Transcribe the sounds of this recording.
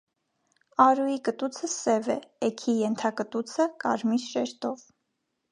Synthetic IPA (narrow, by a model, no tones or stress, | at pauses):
ɑɾujikət̪ut͡sʰəsɛvɛ̰ɛkʰijɛnt̪ʰɑkət̪ut͡sʰəkɑ̰ɾmisʃɛɾt̪ɔv